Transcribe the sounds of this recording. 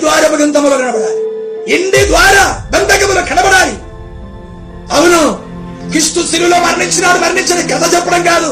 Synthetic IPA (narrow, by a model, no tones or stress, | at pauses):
d̪ʋaːɾɐbɐɡɐnt̪ɐmɐloːkɐɳɐbɐɽaːliiɳɖid̪ʋaːɾabend̪ɐkɐmuloːkʰɐɽɐbɐɽaːli | ɐwunu | kɾiʂt̪usiluloːmɐɾɐɳiɲt͡ʃinaːɽumɐɾniɲt͡ʃɐnikɾɐt̪ʰɐt͡ʃɛpːɐɽɐmkaːd̪u